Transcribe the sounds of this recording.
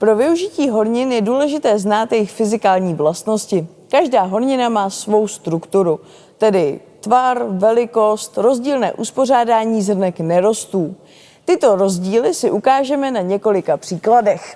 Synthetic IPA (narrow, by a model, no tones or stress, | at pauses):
pɾo̞vɪuʒɪciːɦo̞ɾɲɪnjɛduːlɛʒɪt̪ɛːznaːt̪jɛjɪxfɪzɪkaːlɲiːvlast̪no̞scɪ | kaʒdaːɦo̞ɾɲɪnamaːsvo̞wst̪ɾukt̪uɾu | t̪ɛdɪ | t̪varvɛlɪko̞st̪ɾo̞zɟiːlnɛ̰ːʔuspo̞r̝aːdaːɲiːzr̩nɛknɛɾo̞st̪uː | t̪ɪt̪o̞ɾo̞zɟiːlɪsɪʔukaːʒɛmɛnaɲɛko̞lɪkapr̥iːkladɛx